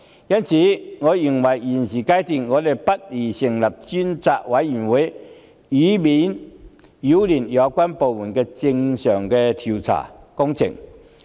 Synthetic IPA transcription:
ja˦nɕi˨˦ŋɔ˨˦i˨˩ŋwa˨ji˨˩nɕi˨ka˦jt̪i˧ŋŋɔ˨˦le˧˩pa˦t̚li˨˩ɕi˨ŋla˨˩p̚t͡ɕi˦nt͡sa˧˨ʔwa˨˦ji˨˩nwe˨˦ | i˨˦bi˨˦n | ju˨˦li˨˩nja˨˦kwa˦npo˨˩mu˨˩nke˧t͡ɕi˧ŋɕjɔ˨˩ŋke˧t̪ʰu˨t͡sʰa̰˨˩kɔ˦ŋt͡ɕʰḭ˨˩ŋ

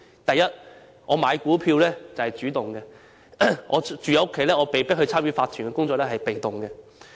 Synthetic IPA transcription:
t̪ɐ˨jɐ˥t̚ | ŋɔː˨˧maː˨˧jkuː˨˥pʰiː˧wlɛː˥t͡sɐ˨whɐ˨jt͡ʃyː˨˥t̪ʊ˨˩ŋkɛ˧ | ŋʔɔː˨˧t͡ʃyː˨˧jɐ˨˧wʊ˥kʰːe˨˥jlɛː˥ŋɔː˨˧pe˨jpɪ˥k̚hɵ˧ɥt͡sʰaː˥mɥyː˨˥faː˧t̪ʰyː˨˩nkɛ˧kʊ˥ŋt͡sɔː˧k̚lɛː˥hɦɐ˨jpe˨jt̪ʊ˨˩ŋkɛː˧

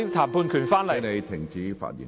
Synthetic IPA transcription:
ŋt̪ʰaː˨˩mpʰuː˧nkʰy˨˩nfaː˥nlɐ˨ne˨˧jt̪ʰɪ˨˩ŋt͡siː˨˥fa̰ː˧˥t̚jḭ˨˩

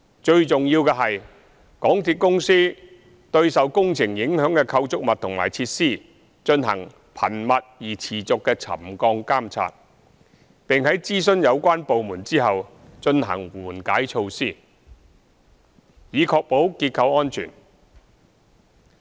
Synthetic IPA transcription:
t͡ʃɵ˧ɥt͡sʊ˨ŋjiː˧wkɛː˧ɦɐ˨j | kɔː˨˥ŋt̪ʰiː˧t̚kʊ˥ŋsiː˥ | t̪ɵ˧ɥsɐ˨wkʊ˥ŋt͡sʰɪ˨˩ŋjɪ˨˥ŋɦœː˨˥ŋkɛː˧kʰɐ˧wt͡sʊ˥k̚mɐ˨t̚t̪ʰʊ˨˩ŋma̰ː˨˩jt͡sʰiː˧t̚siː˥˩ | t͡ʃɵ˧nɦɐ̰˨˩ŋ | pʰɐ̰˨˩nmɐ˨t̚jiː˨˩t͡sʰiː˨˩t͡sʊ˨kːɛː˧t͡sʰɐ̰˨˩mkɔː˧ŋkaː˥mt͡sʰa̰ː˧t̚ | pɪ˨ŋɦɐ˨˥jt͡siː˥sɵ˥njɐ˨˧wkʷaː˥npo˨wmuː˨˩nt͡siː˥ɦɐ˨w | t͡ʃɵ˧nɦɐ̰˨˩ŋwuː˨˩nkaː˨˥jt͡ʃʰo˧wsiː˥˩ | jiː˨˧kʰɔː˧k̚po˨˥wkiː˧t̚kʰɐ˧wɔː˥nt͡ʃʰy̰ː˨˩n

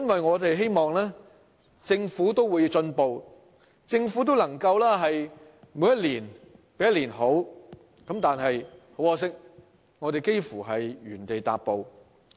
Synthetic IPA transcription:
ɐ˥nwɐ˨jŋɔː˨˧t̪e˨jɦe˥jmɔː˨ŋlɛː˥ | t͡sɪ˧ŋfuː˨˥t̪̬o˥wuː˨˧jt͡ʃɵ˧npo˨˧w | t͡sɪ˧ŋfu˨˥t̪̬o˥wlɐ˨˩ŋkɐ˧wlaː˥ɦɐ˨j | mu˨˧˥jɐ˥t̚liː˨˩npe˨˥jɐ˥tliː˨˩nɦo˨˥w | kɐ˨˧˥mt̪aː˨nɦɐ˨jho˨˥wɔː˧s̬ɪ˥k̚ | ŋɔː˨˧t̪e˨jke˥jfuː˨˩ɦɐ˨jɥyː˨˩nt̪e˨jt̪a̰ː˨p̚po˨w

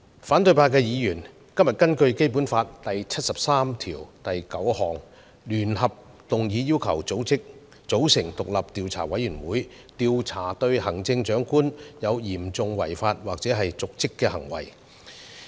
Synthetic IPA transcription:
faː˨˥nt̪ɵ˧ɥpaː˧kɛː˧jiː˨˧jyː˨˩n | kɐ˥mjɐ˨t̚kɐ˥nkɵ˧ɥke˥jp̬uː˨˥nfaː˧t̚t̪ɐ˨jt͡sʰɐ˥t̚sɐ˨p̚saː˥mt̪ʰiː˨˩wt̪ɐ˨jkɐ˨˥whɔː˨ŋ | lyː˨˩nɦɐ˨p̚ | t̪ʊ˨ŋjiː˨˧˥jiː˥wkʰɐ˨˩wt͡so˨˥wt͡sɪ˥k̚ | t͡so˨˥wsɪ˨˩ŋt̪ʊ˨k̚lɐ˨p̚t̪iː˨˧wt͡sʰa̰ː˨˩wɐ˨˥jːyː˨˩nwuː˨˥j | t̪iː˨˧wt͡sʰaː˨˩t̪ɵ˧ɥhɐ˨˩ŋt͡sɪ˧ŋt͡ʃœː˨˥ŋkuː˥njɐ˨˧wjiː˨˩mt͡sʊ˨˧ŋwɐ̰˨˩jfaː˧t̚waː˨k̚t͡sɛː˨˥ɦɐ˨jt͡sʊ˨k̚t͡sɪ˥kːɛː˧hɐ˨˩ŋwɐ̰˨˩j

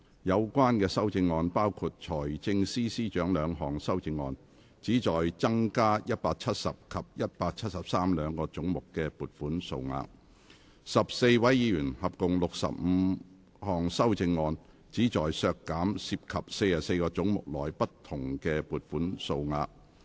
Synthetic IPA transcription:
jɐ˨˧wkʷwaː˥nkɛː˧sɐ˥wt͡sɪ˧ŋːɔː˧npaː˥wkʰu˧t̚t͡ʃʰɔː˨˩jt͡sɪ˧ŋsiː˥siː˥t͡ʃœː˨˥ŋlœː˨˧ŋɦɔː˨˩ŋsɐ˥wt͡sɪ˧ŋːɔː˧n | t͡siː˨˥t͡sɔː˨jt͡sɐ˥ŋkaː˥jɐ˥t̚paː˧k̚t͡sʰɐ˥t̚sɐ˨p̚kʰɐ˨p̚jɐ˥t̚paː˧k̚t͡ʃʰɐ˥t̚sɐ˨p̚saː˥mlœː˨˧ŋkɔː˧t͡sʊ˨˥ŋmʊ˨˩kːɛː˧puː˨t̚fuː˨˥nso̰˧wŋa̰ː˧k̚ | sɐ˨p̚se˧jwɐ˨˥jjiː˨˥jyː˨˩nhɐ˨p̚kʊ˨ŋlʊ˨k̚sɐ̰˨p̚m̩˨˧ | hɔː˨ŋsɐ˥wt͡sɪ˧ŋːɔː˧n | t͡siː˨˥t͡ʃɔː˨˩jsœː˧kːaː˨˥msiː˧p̚kʰɐ˨p̚se˧jaː˨˩se˧jkɔː˧t͡sʊ˨˥ŋmʊ̰˨k̚lɔː˨˩jpɐ˥tt̪ʰʊ˨˩ŋkɛː˧puː˨˧t̚fuː˨˥nso˧wŋa̰ː˧k̚

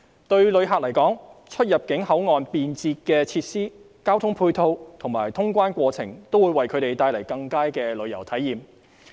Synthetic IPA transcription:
t̪ɵ˧ɥlɵ˨˧ɥɦaː˨k̚lɐ˨˩jkɔː˨˥ŋt͡ʃʰɵ˥t̚jɐ˨˩p̚kɪ˨˥ŋhɐ˨˥wŋɔː˨npiː˨nt͡siː˧t̚kɛː˧t͡sʰiː˧t̚siː˥ | kaː˥wt̪ʰʊ˥ŋpʰuː˧jt̪ʰo˧wt̪ʰʊ˨˩ŋmaː˨˩jt̪ʰʊ˥ŋkʷaː˥nkʷɔː˧t͡sʰɪ̰˨˩ŋt̪o˥wuː˨˧jwɐ˨jkʰɵ˨˧t̪e˨jt̪aː˧jlɐ˨˩jkɐ˧ŋkaː˥jkɛː˧lɵ˨˧ɥjɐ˨˩wt̪ʰɐ˨˥jːiː˨m

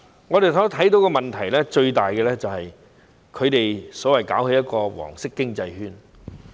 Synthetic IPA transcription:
ŋɔː˨˧ɾe˨jt̪ʰɔː˨˥t̪ʰɐ˨˥jt̪̬o˨˥wkɔː˧mɐ˨nt̪ʰɐ˨˩jlɛː˥t͡ʃɵ˧ɥt̪aː˨jkɛː˧lɛː˥t͡sɐ˨whɐ˨j | kʰɵ˨˧ɥt̪e˨jsɔː˨˥wɐ˨˩jkaː˨˥whe˨˧jɐ˥t̚kɔː˧wɔ̰ː˨˩ŋsɪ˥kːɪ˥ŋt͡sɐ˧jhyː˥n

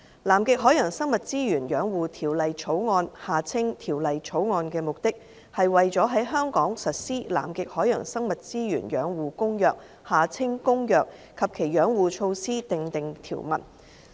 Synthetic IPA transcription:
laː˨˩mkɪ˨k̚ɦɔː˨˥jɐː˨˩ŋsɐ˥ŋmɐ˨t̚t͡siː˥jyː˨˩njœː˨˥ŋwuː˨t̪ʰiː˨˩wlɐ˨jt͡ʃʰo˨˥wŋɔː˧nhaː˨˩t͡sʰɪ˥ŋt̪ʰiː˨˩wlɐ˨jt͡ʃʰo˨˥wŋɔː˧nkɛː˧mʊ˨k̚t̪ɪ˥k̚ | hɐ˨jwɐ˨jt͡sɔː˨˥ɦɐ˨˥jɦœː˥ŋkɔː˨˥ŋsɐ˨t̚siː˥la̰ː˨˩mkɪ˨k̚hɔː˨˥jɐ̰˨˩ŋsɐ˥ŋmɐ˨t̚t͡siː˥jyː˨˩njœː˨˥ŋwuː˨kʊ˥ŋjœː˨k̚ | haː˨˩t͡sʰɪ˥ŋkʊ˥ŋjœː˨k̚kʰɐ˨p̚kʰe˨˩jœː˨˥ŋwuː˨˧t͡ʃʰo˧wsiː˥t̪ɪ˨ŋt̪ɪ˨ŋt̪ʰiː˨˩wmɐ̰˨˩t̚

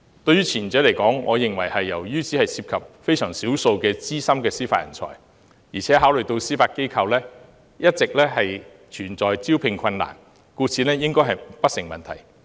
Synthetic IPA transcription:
t̪ɵ˧ɥyː˥t͡sʰiː˨˩nt͡sœː˨˥le˨˩jkɔː˨˥ŋːɔː˨˧jɪ˨ŋwɐ˨˩jhɐ˨jːɐ̰˨˩wjyː˥t͡sʰiː˨˥hɐ˨jsiː˧p̚kʰɐ˨p̚fe˥jsœː˨˩ŋsiː˨˥wso˧wkɛː˧t͡siː˥sɐ˥mkɛː˧siː˥fa̰ː˧jɐ̰˨˩nt͡sʰɔ̰ː˨˩j | jiː˨˩t͡sʰɛː˨˥ɦaː˨˥wlɵ˨˩t̪o˧wsiː˥faː˧t̚ke˥jkʰɐ˧wlɛː˥ | jɐ˥t̚t͡sɪ˨k̚lɛː˥ɦɐ˨j | t͡ʃʰyː˨˩nt͡sɔː˨jt͡siː˥wpʰɪ˧ŋkʰɐ˧nːa̰ː˨˩n | kuː˧t͡sʰiː˨˧nlɛː˥jɪ˥ŋkɔː˥jɦɐ˨jpɐ˥t̚sɪ˨˩ŋmɐ˨nt̪ʰɐ̰˨˩j

